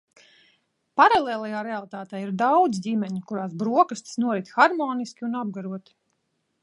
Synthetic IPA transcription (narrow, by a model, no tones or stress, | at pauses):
paɾalˠeːlˠajaːɾealˠit̪aːt̪ɛjiɾd̪awd̪zɟʲimʲɛɲikuɾaːsbɾuɔkast̪snuɔɾit̪ʲxaɾmɔːniskʲiunab̚ɡaɾuɔt̪i̥